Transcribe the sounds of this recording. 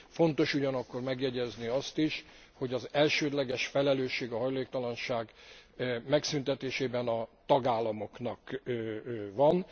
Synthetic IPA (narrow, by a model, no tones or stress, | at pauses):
fo̞nt̪o̞ʃuɟɒnɒkːo̞rmɛɡjɛɟɛzniɒst̪iʃ | ho̞ɟɒzɛlʃøːd̪lɛɡɛʃfɛlɛløːʃːeːɡɒɦɒjleːk̚t̪ɒlɒnʃaːɡ | mɛksynt̪ɛt̪eːʃeːbɛnɒt̪ɒɡaːlːɒmo̞knɒk | vɒn